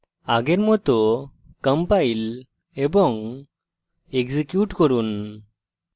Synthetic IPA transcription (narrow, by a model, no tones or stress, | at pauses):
aɡɛɾmɔt̪ɔ | kəmpail | ebɔŋ | ekzikjuʈkɔɾun